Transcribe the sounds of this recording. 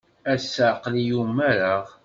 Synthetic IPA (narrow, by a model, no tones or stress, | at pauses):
æsːəʕqlijumːæɾaʁ